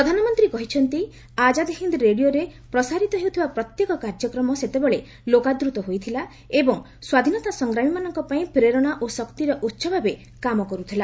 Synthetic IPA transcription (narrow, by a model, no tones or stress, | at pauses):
pɾɔd̪ʱanɔmɔnt̪ɾikɔɦit͡ʃʰɔnt̪i | ad͡ʒad̪iɦind̪ɾeɽijoɾepɾɔsaɾit̪ɔɦewut̪ʰibapɾɔt̪jekɔkaɾd͡ʒɔkɾɔmɔset̪ebɔɭe | lokad̪ɾut̪ɔɦojt̪ʰila | ebɔŋ | swad̪ʱinɔt̪asɔŋɡɾamimanɔŋkɔpaĩpɾeɾɔɽ̃aʔosɔkt̪iɾɔʔutːʃʰɔbʱabe | kamɔkɔɾut̪ʰila